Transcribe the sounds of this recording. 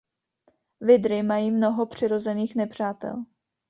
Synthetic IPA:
vɪdɾɪmajiːmno̞ɦo̞pr̝̥ɪɾo̞zɛniːxnɛpr̝̥aːt̪ɛ̰l

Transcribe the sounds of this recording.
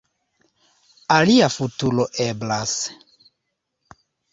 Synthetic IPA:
aliafutuloʔeblas

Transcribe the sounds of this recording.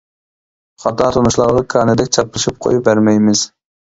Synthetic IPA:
χɑt̪ɑt̪ʰonuʃlˠɑɾʁɑkʰɑːnɨd̪ɛkʲt͡ʃʰɑp̚lˠɨʃip̚qʰo̰jup̚bæɾmɛjmɪz̥

